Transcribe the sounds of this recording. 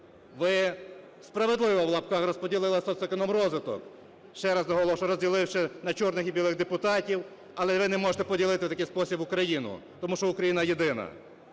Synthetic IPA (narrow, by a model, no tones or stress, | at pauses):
ʋɪ | spɾɐʋed̪lˠɪʋɔwlˠɐpkɑxrɔspɔdʲilˠɪlˠɐsɔsɛkɔnɔmrɔzʋɪt̪ɔ̰k | ʃt͡ʃɛɾɐznɐɦɔlˠɔʃɐɾɔzʲdʲilˠɪwʃɪnɐt͡ʃɔrnɪxibʲilˠɪɣd̪epʊt̪ɑtʲiw | ɐlˠɛʋɪnɛmɔʒet̪ɛpɔdʲilˠɪt̪ɪwt̪ɐkɪjspɔsʲibʊkɾɐjinʊ̰t̪ɔmuʃt͡ʃɔʊkɾɐjinɐjed̪ɪnɐ̰